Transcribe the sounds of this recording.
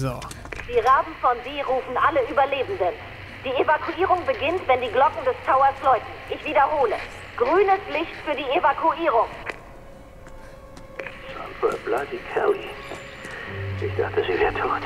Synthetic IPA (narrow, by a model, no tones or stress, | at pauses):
zoː | d̥iːʁaːbm̩fɔnziːʁuːfn̩ʔaləyːbɐleːbn̩dən | d̥iːevakʰuʔiːʁʊŋbəɡɪntv̥ɛndiːɡlɔkŋ̩dɛstʰaʊɐslɔʏtn̩ʔɪçv̥iːdɐɦoːlə | ɡ̥ʁyːnəslɪçtfyːɐdiːevakʰuiːʁ̞ʊŋ | sampa̰b̥ladikʰɛ̰li | ɪçz̥a̰χtəzivɛɐtʰu